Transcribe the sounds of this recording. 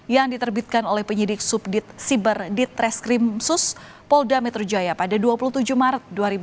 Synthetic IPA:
jaŋdit̪ərbit̪̚kanolɛhpəɲidɪk̚sʊp̚dɪt̪̚sibərdɪt̪ɾɛskɾimsʊs | pɔldamɛt̪ərd͡ʒajapadaduapuluht̪ud͡ʒuhmaɾət̪̚duaɾib

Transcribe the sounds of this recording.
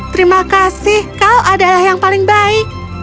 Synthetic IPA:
t̪əɾimakasɪhkaloʔadalahjaŋpalɪŋbaɪk̚

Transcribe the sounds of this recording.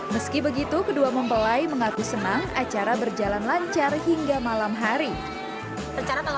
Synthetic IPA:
məskibəɡit̪ukəduaməmpəlajməŋakusənaŋat͡ʃaɾabərd͡ʒalanlaɲt͡ʃarɦiŋɡamalamɦaɾi | ət͡ʃaɾat̪ə

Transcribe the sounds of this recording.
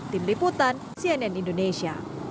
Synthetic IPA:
t̪imliput̪an | sianɛnindonesia̰

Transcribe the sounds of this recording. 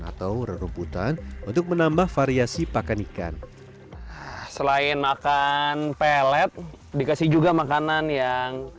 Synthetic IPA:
a̰t̪awɾəɾumput̪a̰nunt̪ʊk̚mənambahfaɾiasipakanika̰n | səlaɪnmakanpɛlɛt̪̚ | dikasɪhd͡ʒuɡamakananjaŋ

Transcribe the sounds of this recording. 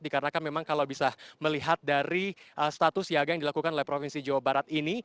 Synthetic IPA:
dikaɾənakanmemaŋkalawbisaməliɦat̪̚daɾiʔəst̪at̪ʊsiaɡajaŋdilakukanolɛhpɾofinsid͡ʒawabaɾat̪̚ini

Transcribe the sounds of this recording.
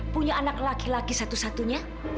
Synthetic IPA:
puɲaːnaklakilaɡisat̪usat̪uɲa

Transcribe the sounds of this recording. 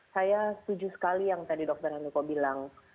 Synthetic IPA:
sajast̪ud͡ʒusə̥kalijaŋt̪adidɔk̚t̪ərhanikobilaŋ

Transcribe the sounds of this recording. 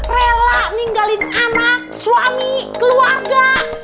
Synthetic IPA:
relaniŋɡalɪnanak̚swamikəluarɡa

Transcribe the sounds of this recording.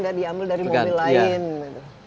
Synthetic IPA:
ndaʔdiambɪldaɾimoabilːaɪnit̪u

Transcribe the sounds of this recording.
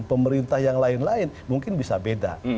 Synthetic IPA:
npəməɾint̪ahjaŋlaɪnlaɪnmuŋkɪnbisabeda̰

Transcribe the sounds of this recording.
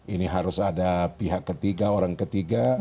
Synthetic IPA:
iniɦaɾʊsadapiɦakːət̪iɡaoɾaŋkət̪iɡa

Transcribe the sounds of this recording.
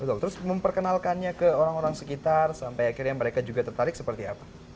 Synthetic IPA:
bət̪ʊlt̪əɾʊsməmpərkənalkanɲakəoɾaŋoɾaŋsəkit̪arsampajakɪrɲaməɾekad͡ʒuɡat̪ərt̪aɾɪk̚səpərt̪ia̰pḁ

